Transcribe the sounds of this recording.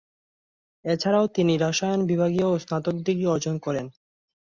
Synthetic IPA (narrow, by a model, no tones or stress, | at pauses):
et͡ɕʰaɾaot̪iniɾaʃajonbibʱaɡioosnat̪ok̚d̪iɡiɔɾd͡ʑonkɔɾen